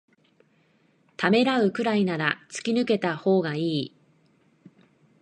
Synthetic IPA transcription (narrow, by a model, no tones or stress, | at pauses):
t̪ame̞ɾaɯ̟kɯ̟ɾainaɾat͡sɨ̥kʲinɯ̟ke̞t̪aho̞ːɡaiː